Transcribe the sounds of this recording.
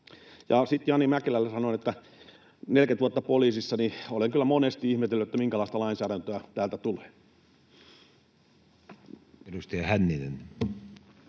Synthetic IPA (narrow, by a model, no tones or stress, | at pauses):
jɑsit̪jɑnːimækelælːesɑnoinet̪ːæ | nelket̪ʋuɑt̪ːɑpoliːsisːɑnioleŋkylːˑæmonest̪iihmet̪elːyt̪et̪ːæmiŋkælɑˑist̪ɑlɑinsæːɾænt̪øæt̪æːlt̪æt̪uleː | erust̪iɑhænːinḛn